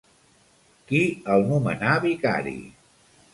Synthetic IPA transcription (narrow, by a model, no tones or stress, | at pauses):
kiəlˠnumənaβika̰ɾḭ